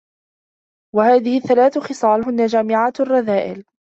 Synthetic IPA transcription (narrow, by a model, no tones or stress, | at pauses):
wahaːðɪhɪθːalaːθʊxɨsˤɑːlɦʊnːad͡ʒaːmɪʕaːt̪arˤːɑðaːʔɪ̰l